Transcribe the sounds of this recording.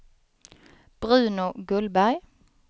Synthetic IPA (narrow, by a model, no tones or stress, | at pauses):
b̥ʁʉ̟ːnʊɡɵlbæʁj